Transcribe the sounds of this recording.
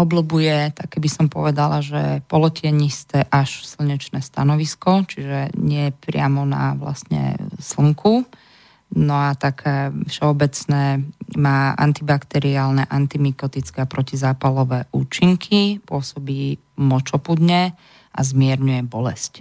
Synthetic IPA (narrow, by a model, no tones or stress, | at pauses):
ɔblɔbujɛt̪akɛbisɔmpɔ̰ʋɛd̪alaʒɛ̰pɔlɔciɛɲist̪ɛːʔaʃsilɲɛt͡ʃnɛːst̪anɔʋiskɔt͡ʃiʒɛɲɪɛpɾɪamɔna̰ʋla̰st̪ɲɛ̰sl̩ŋkʰu | nɔat̪akʰɛfʃɛɔbɛt͡snɛːmaːʔa̰nt̪ibakt̪ɛɾiaːlnɛʔant̪imikɔt̪it͡skɛapɾɔcizaːpalɔʋɛːʔuːt͡ʃiŋkʰipʊɔsɔbiː | mɔt͡ʃɔpud̪ɲɛ | ʔa̰zmɪɛɾɲujɛbɔlɛsc